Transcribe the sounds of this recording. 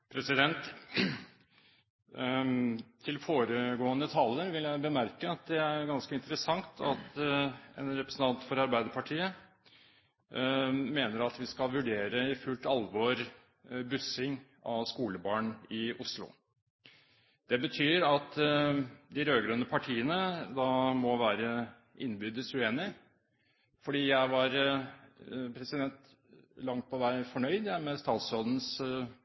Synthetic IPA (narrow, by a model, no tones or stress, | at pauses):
pʰɾɛsɪd̪ɛnt̪ | t̪ʰɪlfoːɾəɡoːənət̪ʰɑlːəɾʋɪljæɪbəmæɾkəɑt̪̚d̪ɛæɾɡɑnskəɪnt̪əɾəsɑŋt̪ʰɑt̪ɛ̰nɾɛpɾəsn̩ʰɑnt̪fɔɾɑɾbæɪd̪əɾpʰɑʈʰiːə | meːnəɾɑt̪ʋɪskɑlʋʉɖeːɾəɪfʉlt̪ɑlʋɔɾ | bʉsɪŋ | ɑʋskuːləbɑːɳɪʊslʊ̰ | d̪̥ɛbət̪ʰyːɾɑt̪ | d̪ɪɾøːɡɾønəpʰɑʈʰiːənəd̪ɑmɔʋæːɾə | ʔɪnːbʏd̪əsʉeːnɪ | fɔɖiːjæɪʋɑɾ | pʰɾɛsɪd̪ɛnt̪ | lɑŋt̪̚pʰɔʋæɪfɔɳœʏd̪æmɛst̪ɑːt̪sɔd̪n̩s